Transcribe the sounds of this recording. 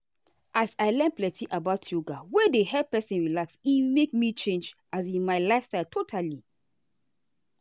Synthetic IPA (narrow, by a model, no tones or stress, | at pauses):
ʔasaɪlɛ̃nplɛtʰiʔabaʊtʰjuɡawɛdeɦɛpɛsĩnɹilaksimekmit͡ʃẽnd͡ʒʔasĩnmaɪlaɪfstaɪltʰotʰali